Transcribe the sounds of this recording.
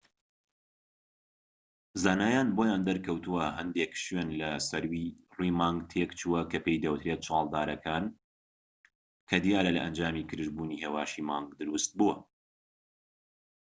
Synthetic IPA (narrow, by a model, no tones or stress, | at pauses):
zaːnaːjaːnboːjaːnd̪ɐɾkʰɐwt̪uwɐɦɐnd̪ekʃɥenlɐsɐɾwiruːmaːŋɡt̪ʰekt͡ʃʰuwɐkʰɐpejd̪ɐwɨt̪ʰɾet̪̚t͡ʃʰɑːlˠd̪aːɾɐkʰaːn | kʰɐd̪ijaːɾɐlɐ̰ʔɐnd͡ʒaːmikʰɨɾɨʒbuːniheːwaːʃimaːŋɡd̪ɨɾust̪̚buwɐ